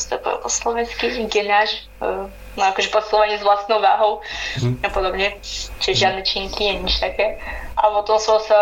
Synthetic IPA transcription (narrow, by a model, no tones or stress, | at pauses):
st̪ɛ̰po̰oslovɛnskiɡɛnaːʃ | nojakoʒɛposɪlˠovaɲizvlast̪nowva̰ːɦowapod̪obɲɛt͡ʃɛɛʒaːd̪nɛt͡ʃɛɲik̪lijɛɲiʃt̪akɛʔapot̪omsosɛ